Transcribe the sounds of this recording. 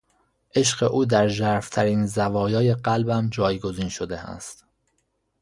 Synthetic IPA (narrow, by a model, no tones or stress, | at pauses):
ʔe̞ʃɢeʔuːd̪æɾʒæɾft̪ʰæɾiːnzævɒːjɒːje̞ɢælbæmd͡ʒɒːjɡo̞ziːnʃod̪eæ̰st̪